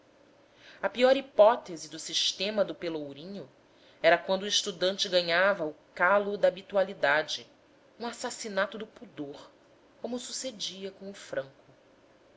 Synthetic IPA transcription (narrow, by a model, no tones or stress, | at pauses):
ɐpiɔɾipɔt̪ezɪd̪ʊsiʃt̪ẽmɐd̪ʊpelowɾĩɲʊ | ɛɾɐkwɐ̃nd̪ʊiʃt̪ud̪ɐ̃nt͡ʃɪɡɐɲavɐʊkalʊd̪ɐːbit̪ualid̪ad͡ʒɪ | ũasasinat̪ʊd̪ʊpud̪oɾ | kõmʊsused͡ʒiɐkõʊfɾɐ̃ŋkʊ